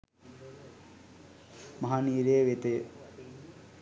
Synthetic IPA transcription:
mɐɦaniːɾeʋet̪e

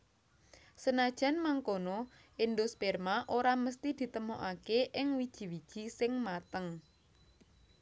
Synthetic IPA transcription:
sənad̥ʒ̥a̤nmaŋkonɔ | ɪnd̪ospɛrmaʔoɾaməst̪id̪̥i̤t̪əmoʔakeʔɪŋwid̥ʒ̥i̤wid̥ʒ̥i̤sɪŋmat̪əŋ

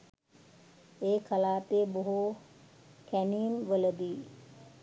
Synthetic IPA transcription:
eːkʰəlaːt̪eboɦo | kʰæniːmʋələd̪iː

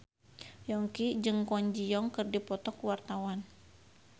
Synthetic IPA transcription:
jɔŋkid͡ʒɨŋkɔɲd͡ʒijɔŋkɨrdipɔt̪ɔkwart̪awan

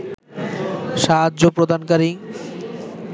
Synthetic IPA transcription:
ʃaɦaːʑopɾod̪ʱankaɾi

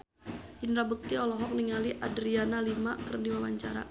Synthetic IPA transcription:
inɾabək̚t̪iɔlɔɦɔk̚niŋaliʔadɾianalimakərdiwawaɲt͡ʃaɾa̰

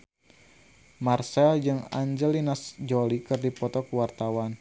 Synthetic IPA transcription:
marsɛld͡ʒɨŋa̰ɲd͡ʒəlinasd͡ʒɔlikɨrdipɔt̪ɔkuwart̪awan

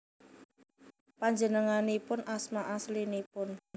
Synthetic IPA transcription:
paɲd͡ʒənəŋanipʊnʔasmaʔaslinipʊn

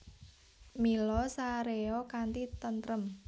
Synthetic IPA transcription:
milɔsaɾeɔkant̪it̪ənt̪ɾəm

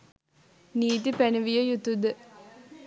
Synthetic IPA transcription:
niːt̪̬ipænəʋijəjut̪ud̪ə

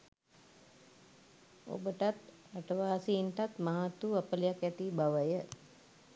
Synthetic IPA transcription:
o̰bəʈat̪ | aʈəʋaːsiiɳʈat̪maɦat̪ːuɐpəlijakjɛt̪ibaʋəjə

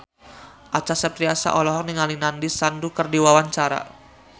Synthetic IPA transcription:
ʔat͡ʃasəpt̪ɾiasa̰ʔɔlɔɦɔk̚niŋalinandisandukərdiwawaɲt͡ʃaɾa̰

